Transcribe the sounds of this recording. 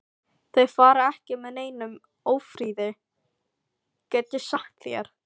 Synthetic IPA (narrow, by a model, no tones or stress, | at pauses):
θeɥfaːɾaɛhcɪmɛðneːjnʏm | oːwfɾiːðɪ | cɛt̪ːɪsaht̪ljɛ̰ɾ̥